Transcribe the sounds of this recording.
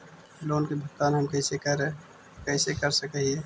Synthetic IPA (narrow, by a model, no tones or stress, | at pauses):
loːnkebʱək̚t̪aːnɦəmkəɪsekəɾe | kəɪsekəɾsəkɦie